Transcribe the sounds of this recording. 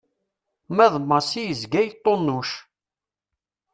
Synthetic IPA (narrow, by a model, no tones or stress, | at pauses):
mæðˤmːəsijəzɡæjt̪ˤːonːʊʃ